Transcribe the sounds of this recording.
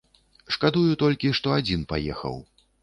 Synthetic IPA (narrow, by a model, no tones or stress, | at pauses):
ʂkad̪ujut̪ɔlʲkʲiʂt̪ɔad͡zʲin̪pa̰jɛ̰xɐ̰w